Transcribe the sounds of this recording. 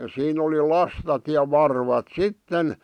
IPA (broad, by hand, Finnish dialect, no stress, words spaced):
siːn oli lɑstɑt jɑ ʋɑrʋɑt sitːen